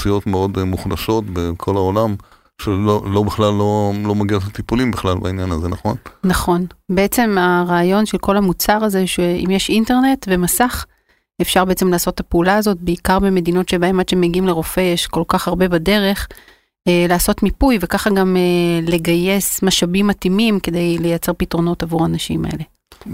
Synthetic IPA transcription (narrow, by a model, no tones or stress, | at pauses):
sijo̞tmeo̞dmuχlaʃo̞tbekʰo̞laolam | ʃelolo̞biχlalːo̞lo̞maɡiatlat̪ipulimbiχlalba̰injanazenaχo̞nnaχo̞nbeet͡se̞maʁaːjo̞nʃe̞lko̞lamut͡saʁaze̞ʃeʔḭmjeʃinte̞ʁne̞tve̞masaχ | efʃaʁbeet͡semlaːso̞tːapeulaːzo̞t̚be̞ikaʁbeme̞dino̞tʃebaematt͡ʃʃemeɡiimle̞ʁo̞fe̞jeʃko̞lkaχaʁbe̞bade̞ʁe̞χ | elaːso̞tmipujve̞kaχaɡamele̞ɡaje̞smaʃabimːatimimke̞d̪e̞jle̞jat͡se̞ʁpitʁo̞no̞tavuʁanaʃḭma̰e̞̰le̞